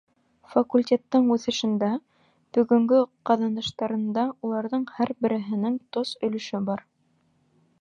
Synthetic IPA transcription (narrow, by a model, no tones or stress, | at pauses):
fɐkulʲtʲe̞t̪ːɤɴʉθɘ̆ʃɘ̆nd̪æ | b̥ɵ̆ɡɵ̆ŋɡɘqɑðɑnd̪ɤ̆ʃt̪ɑɾɤ̆nd̪ɑulˠɑɾðɤɴhæɾbɘ̆ɾɘ̆ɦɘ̆nɘŋt̪osɵ̆lɵ̆ʃɘbɑɾ